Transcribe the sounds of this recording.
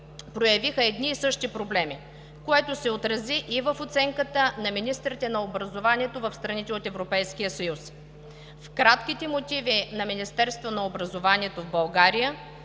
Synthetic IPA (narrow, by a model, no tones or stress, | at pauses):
pɾojɐvixəɛd̪niːsɤʃt̪ipɾoblɛmi | koɛt̪osɛot̪ɾɐziʔːvəfot̪sɛŋkət̪ənɐminist̪ɾit̪ɛnɐobɾɐzovaniɛt̪ovɐfst̪ɾɐnit̪ɛot̪ɛvɾopɛjsk̟ijəsɐjus | fkɾat̪k̟it̪ɛmot̪ʲivinɐminist̪ɛɾst̪vonɐobɾɐzovaniɛt̪ovbɐlˠɡaɾijə